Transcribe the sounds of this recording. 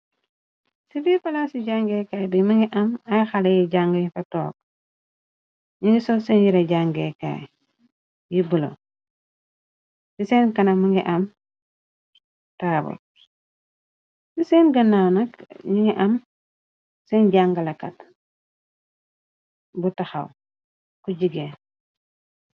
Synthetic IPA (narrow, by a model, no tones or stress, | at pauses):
sibifɐlasiɟaŋɡekaːjbimiŋɡiʔɐmajxalejiɟaŋɡɐjfɐtɔːk̚ | ɲiŋɡisosenjiɾɐɟaŋɡeka̰ːj | jibulo̰ | siseːnkɐnɐmuŋɡiʔɐm | taːbo̰ | sisenɡɐnawnɐkɲiŋiʔɐm | senɟaŋɡalɐkɐt | butaxa̰w | kuɟiɡe